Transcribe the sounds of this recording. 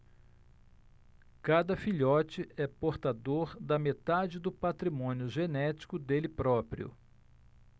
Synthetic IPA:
kad̪ɐfiʎɔt͡ʃɪɛpoɾt̪ad̪oɾd̪ɐmet̪ad͡ʒɪd̪ʊpat̪ɾimõnjʊʒenɛt͡ʃi̥kʊd̪elɪpɾɔpɾḭʊ̰

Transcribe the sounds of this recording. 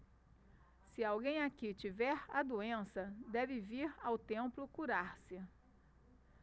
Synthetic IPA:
sɪawɡẽj̃akit͡ʃivɛɾa̰d̪uẽsɐd̪ɛvɪviɾawt̪ẽmplʊkuɾaɾsɪ

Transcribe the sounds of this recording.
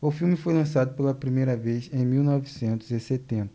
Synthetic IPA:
ʊfiwmɪfojlɐ̃sad̪ʊpelɐpɾimejɾɐvejzẽj̃miwnɔvisẽnt̪ʊzɪset̪ẽnt̪ɐ

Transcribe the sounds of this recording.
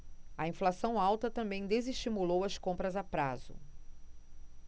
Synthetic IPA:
ɐĩflasɐ̃w̃awt̪ɐt̪ɐ̃mbẽj̃d̪eziʃt͡ʃimulowɐskõmpɾɐzapɾazʊ̰

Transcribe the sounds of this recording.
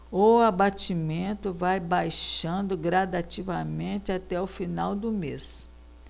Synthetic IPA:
oabat͡ʃimẽnt̪ʊvajbajʃɐ̃nd̪ʊɡɾad̪at͡ʃivɐmẽt̪ɪat̪ɛʊfinawd̪ʊmes

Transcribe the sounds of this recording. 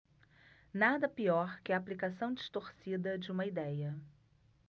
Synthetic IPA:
nad̪ɐpiɔɾkɪɐːplikasɐ̃w̃d͡ʒɪʃt̪oɾsid̪ɐd͡ʒɪũmɐid̪ɛjɐ

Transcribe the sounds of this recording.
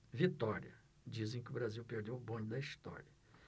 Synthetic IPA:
vit̪ɔɾiɐ | d͡ʒizẽj̃kɪʊbɾaziwpeɾd̪ewʊbõɲʊd̪ɐist̪ɔ̰ɾiɐ

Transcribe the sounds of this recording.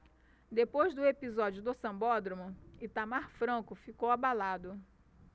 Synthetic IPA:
d̪epojzd̪ʊepizɔd͡ʒʊd̪ʊsɐ̃bɔd̪ɾomʊɪt̪amaɾfɾɐ̃kʊfikowabalad̪ʊ

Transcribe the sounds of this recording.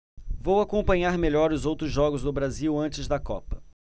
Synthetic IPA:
vowakõpɐ̃ɲaɾmeʎɔɾʊzowt̪ɾʊzʒɔɡʊzd̪ʊbɾaziwɐ̃nt͡ʃɪzd̪ɐkɔpɐ̥

